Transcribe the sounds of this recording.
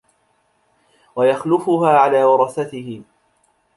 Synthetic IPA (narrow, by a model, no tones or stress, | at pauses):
wajaxlʊfʊɦaːʕalaːwɑɾˤɑθat̪ɪhɪ